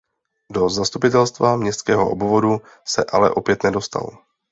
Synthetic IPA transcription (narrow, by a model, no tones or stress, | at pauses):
do̞zast̪upɪt̪ɛlst̪vamɲɛst̪kɛːɦoʔobvodu | sɛʔalɛ̰ʔo̞pjɛt̪nɛdo̞st̪a̰lo